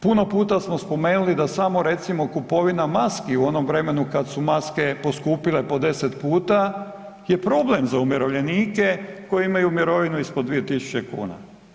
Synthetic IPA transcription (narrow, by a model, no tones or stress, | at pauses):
puno̞puːt̪asmospo̞meːnulid̪asamo̞ɾe̞t̪simo̞kupo̞ʋinamaskiuo̞no̞mʋɾe̞me̞nukad̪sumaske̞po̞skuːpile̞po̞d̪e̞set̪puːt̪a | jepɾo̞ble̞mzaumeɾoʋʎe̞niːkeko̞jiimajumiɾo̞ʋinuispod̪d̪ʋijet̪isu̥t͡ɕe̞kṵːna̰